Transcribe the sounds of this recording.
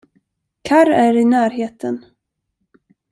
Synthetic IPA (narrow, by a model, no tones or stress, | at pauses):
kʰaɾæɾɪnæːɾɦeːt̪ʰən